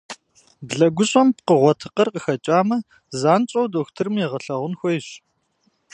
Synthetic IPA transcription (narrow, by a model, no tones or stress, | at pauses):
bɮɐɡʷʊɕʼɐmpqəʁʷɔtʰɨqɐrqəxɐt͡ʃʼaːmɐ | zaːnt͡ʃʼɐwdoːxtʰɨrɨmjɛʁɐɬɐʁʷʊnxʷɔjɪɕ